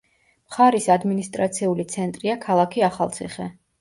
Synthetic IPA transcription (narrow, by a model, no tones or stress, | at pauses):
mχaɾisad̪minist̪ʼɾat̪sʰiulit̪sʰɛnt̪ʼɾiakʰalˠakʰiaχa̰lˠt̪sʰḭχɛ